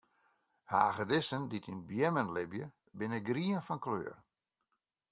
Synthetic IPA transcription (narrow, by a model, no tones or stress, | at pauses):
ha̰ːɣədɪsənditʰinbjɛmənlɪbjə | bɪnəɡriənfɔnklø̰ːər